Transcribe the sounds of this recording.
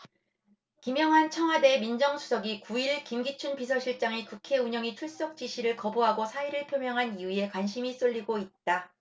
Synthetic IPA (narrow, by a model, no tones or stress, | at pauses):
kimjʌŋɦant͡ɕʰʌŋɦwade̞mind͡ʑʌŋsʰu̥sʰʌɡikuiɭkimɡit͡ɕʰunpis̬ʰʌɕʰiɭt͡ɕ͈aŋikukʰe̞uɲʌŋit͡ɕʰuɭs͈ʌk̚t͡ɕ͈iɕʰiɾɯɭkʌbuɦaɡosʰaiɾɯɭpʰjomjʌŋɦaniue̞kwanɕʰimis͈oʎːiɡoit̚t͈a